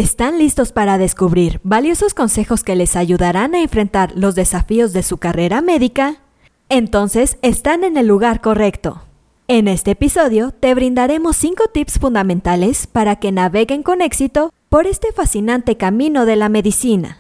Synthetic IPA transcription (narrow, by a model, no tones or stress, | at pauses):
est̪anlist̪o̞spaɾaðe̞skuβɾiɾβaljo̞so̞sko̞nse̞xo̞ske̞le̞saʝuðaɾanaeɱfɾe̞nt̪aɾlo̞zðe̞safio̞zðe̞sukare̞ɾame̞ðika | e̞nt̪o̞nse̞se̞st̪ane̞ne̞lːuɣaɾko̞re̞kt̪o̞̰ | e̞ne̞st̪e̞ːpiso̞ðjo̞t̪e̞βɾind̪aɾe̞mo̞sːiŋko̞t̪ipsfund̪amẽ̞nt̪ale̞spaɾake̞naβe̞ɣe̞ŋko̞ne̞ksit̪o̞po̞ɾe̞st̪e̞fasinãnt̪e̞kamĩno̞ðe̞lame̞ðisina̰